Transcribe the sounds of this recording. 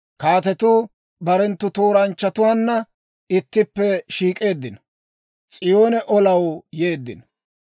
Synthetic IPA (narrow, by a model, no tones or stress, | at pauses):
kaːt̪ɛt̪uː | bɐɾɛnt̪ːʊt̪o̞ːɾɐnt͡ʃːɐt̪ʊwaːnːɐ | ɪt̪ːɪpːɛʃiːkʼe̞ːd̪ːɪnɐ | t͡sʼɪjo̞ːnɛʔɔlɐwjeːd̪ːɪnɐ